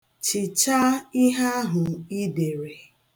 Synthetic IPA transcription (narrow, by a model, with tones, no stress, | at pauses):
t͡ʃɪ˨t͡ʃa˦i˦ɦa˦a˦ɦʊ˨i˦de˨ɾe˨